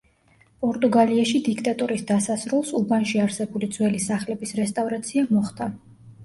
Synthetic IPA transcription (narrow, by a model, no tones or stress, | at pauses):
pʼɔɾt̪ʼuɡaliaʃid̪ikʰt̪ʼat̪ʼuɾisd̪asasɾulˠsubanʃiaɾsɛbulid̪zwɛlisaχlɛbisɾɛst̪ʼavɾat̪sʰiamɔχd̪a